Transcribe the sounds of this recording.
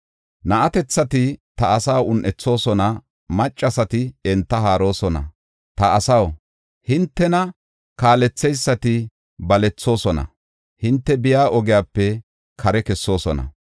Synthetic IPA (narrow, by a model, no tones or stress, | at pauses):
nɐʔɐt̪ɛt͡sːɐt̪ɪt̪ɐɐsaːwʊnʔɛt͡sːo̞ːsɔnɐ | mɐt͡ʃʼːɐsɐt̪ɪɛnt̪ːɐɦaːɾo̞ːsɔnɐ̰ | t̪ɐːsɐw | hɪnt̪ːɛnɐ | kaːlɛt͡sːɛjsːɐt̪ɪ | bɐlɛt͡sːo̞ːsɔnɐ̰ | hɪnt̪ːɛbɪjaːʔɔɡɪjaːpːɛ | kʰɐɾɛkɛsːo̞ːsɔnɐ̰